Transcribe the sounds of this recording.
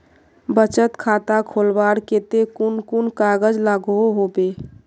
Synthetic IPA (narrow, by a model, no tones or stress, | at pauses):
bət͡ʃət̪kʰat̪akʰolbaɽket̪ekunkunkaɡəd͡ʒlaɡoɦobe